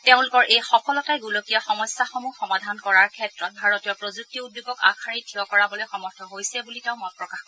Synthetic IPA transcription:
teʊ̃lʊkɔɹʔejxɔkɔlɔtajɡulokijaxɔmɔjsːaxomuxɔmadʱankɔɹaɹkʰɛtɹɔt̚bʱaɹɔtijɔpɹozuk̚tiud̚bibɔka̰kʰaɹitʰiɔkɔɹabɔlɔjxɔmɔɹtʰɔɦojsɛbuliteʊ̃mɔjpɹɔkaxk

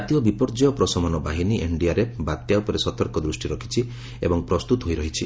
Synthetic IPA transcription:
t̪ijɔbipɔɾd͡ʒɔjɔpɾɔsɔmɔnɔbaɦiniʔeɳɖiaɾebat̪jawpɔɾesɔt̪ɔɾkɔd̪ɾusʈiɾɔkʰi̥t͡ʃʰi | ḛbɔŋpɾɔst̪ut̪ɔɦojɾɔɦit͡ʃʰi

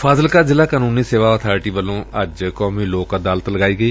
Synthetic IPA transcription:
pʰaːzəlkaːzɪlaːkaːnũːniːseːʋaːɔt̪ʰaːɾɪʈiːʋəlːõːəd͡ʒkɔːmiːloːkad̪aːlət̪ləɡaːiːɡəiː

